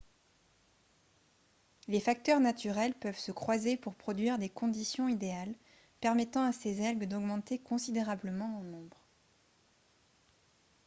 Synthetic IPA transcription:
lefak̚t̪œʁnat̪yʁɛlpœvsəkχwazepuʁpχɔd̪ɥiʁd̪ekɔ̃d̪isjɔ̃id̪eal | pɛʁmɛt̪ɑ̃asezɛʁɡd̪ɔɡmɑ̃t̪ekɔ̃sid̪eʁabləmɑ̃ɑ̃nɔ̃bʁ

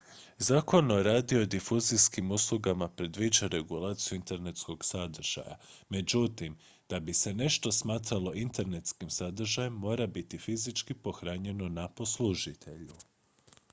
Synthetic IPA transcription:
zaːko̞noɾaːd̪io̞d̪ifuziskimuslˠuɡamapɾe̞d̪ʋid͡ʒaɾe̞ɡulˠaːt̪sijuint̪e̞ɾne̞t̪sko̞ɡsad̪r̩ʒ̥a̰ja̰me̞d͡ʑut̪im | d̪̥abise̞ne̞ʃt̪o̞smaːt̪ɾalo̞ʔint̪eɾne̞t̪skimsad̪r̩ʒajemːo̞ːɾabit̪ifizit͡ʃkipo̞xɾaɲe̞no̞napo̞sluʒit̪ʰe̞ʎu

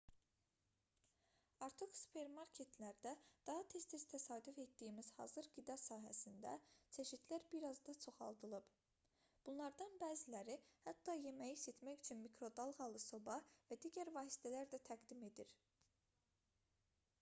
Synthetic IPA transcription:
ɑɾt̪ʰɯχsu̥pʰe̞ɾmɑɾkʰe̞t̪ʰlæɾd̪æd̪̥ɑɦɑt̪ʰe̞st̪ʰest̪ʰæsɑːd̪ife̞t̪d̪ijimiz̥hɑ̰ːzɯɾɡid̪ɑsɑːɦæsind̪æ̰t͡ʃʰe̞ʃit̪læɾbiɾɑzd̪ɑt͡ʃʰo̞χɑ̰lˠd̪ɯlˠɯb̥ | b̥unlˠɑɾd̪ɑnbæːzilæɾihæt̪ːɑje̞mæjise̞t̪ʰmæjyt͡ʃʰynmikɾo̞d̪ɑlˠɣɑlˠɯsobɑvæd̪iːɟæɾvɑːsi̥t̪ʰælæɾd̪æt̪ʰæɡd̪ime̞d̪iɾ

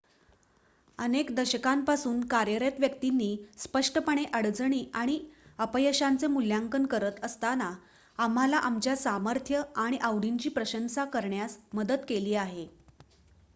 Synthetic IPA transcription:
ənekd̪əɕəkampasuːnkaɾjəɾjet̪ʋjəkt̪inːiːspəʂʈəpəɳ̃eʔəɽd͡zɳ̃iːʔaɽ̃iəpəjəɕant͡semuljaŋkənkəɾət̪əst̪ana | am̤alaʔamt͡ɕjasaməɾt̪ʰjəaɽ̃iʔawɽiɲt͡ɕiːpɾəɕənsakəɾɳjasməd̪ət̪keliːaɦe

